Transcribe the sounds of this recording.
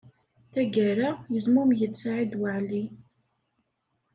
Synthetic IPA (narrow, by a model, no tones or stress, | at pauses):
θæɡæɾajəzmumjət͡sːaʕid̪wəʕli